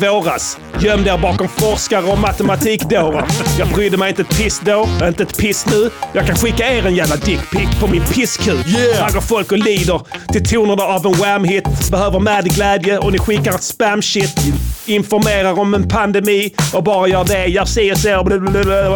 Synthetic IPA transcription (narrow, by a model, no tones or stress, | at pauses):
voːɾas | jœmːd̪eɾbɑːkɔmfɔɾʂkaɾəɔmat̪əmat̪ʰiːkd̪oːɾənjɑːɡbɾʏːd̪əmɛɪjɪnt̪əɛt̪̚pʰɪsd̪oːɾdɾɪnt̪əɛt̪pʰɪsnʉːjɑːɡkʰanɧɪkːaeːɾɛnjæːvlad̪ɪkpʰɪkpʰɔmɪnpʰɪskʰʉːɾaɡəɾfɔlkɔliːd̪əɾt̪ʰɪlt̪ʰuːnənaavɛnwɛmhɪt̪bɛhøːvəɾmɛːd̪ɡlæːd̪jəʔɔnɪɧɪkːaɾɛt̪spæmʃɪt̪ːɪnfɔɾmeːɾaɾɔmɛnpʰand̪ɛmiːɔbɑːɾajœːɖɛjɑsɛəseːɾɔ